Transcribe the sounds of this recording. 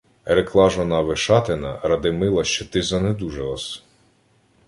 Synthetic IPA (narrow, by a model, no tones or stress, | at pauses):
ɾeklˠɑʒɔnɑʋɪʃɑt̪ɪnɐ̰ɾɐd̪ɪmɪlˠɐʃt͡ʃɔt̪ɪzɐned̪uʒelˠɐs